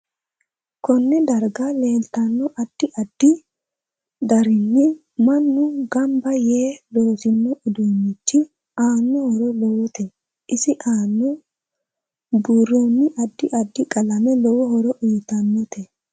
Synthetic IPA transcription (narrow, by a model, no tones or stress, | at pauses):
kɔnːɛd̪ɐɾɡale̞ːlt̪ɐnːɔʔɐd̪̥ːɪʔɐd̪̥ːɪ | d̪ɐɾɪnːɪ | mɐnːʊɡɐmbɐjeːloːsɪnːɔʔɪd̪uːnːɪt͡ʃːɪ | aːnːɔhɔɾɔlowɔt̪ɛ | ʔɪsɪʔaːnːɔ | buːrːoːnːɪʔɐd̪ːɪʔɐd̪ːɪkʼɐlɐmɛlɔwɔhɔɾɔʔʊjt̪ɐnːɔt̪ɛ